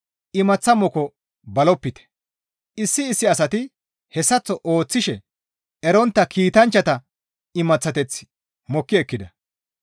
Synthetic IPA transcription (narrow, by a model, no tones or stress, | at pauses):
ʔɪmɐt͡sːɐmɔkɔ | bɐlɔpːɪt̪ɛ̥ | ʔɪsːɪːsːɪɐsɐt̪ɪ | hɛsːɐt͡sːɔʔo̞ːt͡sːɪʃɛ | ɛɾɔnt̪ːɐkʰiːt̪ɐnt͡ʃːɐt̪ɐ | ɪmɐt͡sːɐt̪ɛt͡sː | mɔkːɪɛkːɪd̪ɐ